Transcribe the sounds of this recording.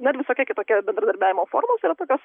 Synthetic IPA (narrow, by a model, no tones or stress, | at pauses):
nʊɪɾʋʲɪsoːkʲɛkʲɪt̪oːkʲɛbʲɛnd̪ɾɐd̪ɐɾʲbʲæːʋʲɪmoːfo̰ːɾmoːsiːɾɐt̪oːkʲoːs